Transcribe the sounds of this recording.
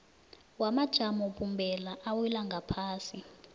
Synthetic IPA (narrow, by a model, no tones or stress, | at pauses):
wamad̥ʒ̥ʱamɔpʰʼumbʱɛlaʔawilaŋɡʱapʰaːsi